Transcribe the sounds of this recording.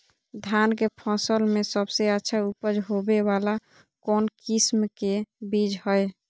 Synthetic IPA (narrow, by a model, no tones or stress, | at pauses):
d̪ʱjankepʰɔ̃səlmesəbseətːʃʰaupəd͡ʒɦobeβala | kɔnkismkebid͡ʒhɔj